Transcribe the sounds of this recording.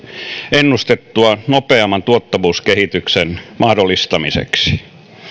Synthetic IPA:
enːust̪et̪ːuɑnopeɑmːɑnt̪uot̪ːɑʋuːskehit̪yksenmʔɑhdolːist̪ɑmisḛksi̥

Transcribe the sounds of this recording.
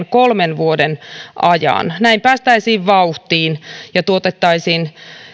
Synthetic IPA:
nkolmenʋuodenʔɑjɑ̰nnæimpæːst̪æisiːʋʋɑuht̪iːnjɑt̪uot̪et̪ːɑisiːn

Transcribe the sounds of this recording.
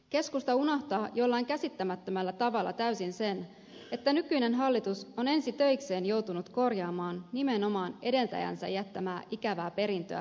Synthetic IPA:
ke̞skust̪ɑunɑht̪ɑːjo̞lːɑjŋkæsit̪ːæmæt̪ːømælːæt̪ɑʋɑlːɑ̰t̪æysinse̞n | e̞t̪ːænykyjne̞nɦɑlːit̪uso̞ne̞nsit̪ø̞jkse̞ːnjo̞wt̪unut̪ko̞rjɑːmɑːnːime̞no̞mɑːne̞de̞nt̪æ̰jæ̰nsæ̰jːæt̪ːæmæːʔikæʋæːpe̞ɾint̪ø̰æ̰

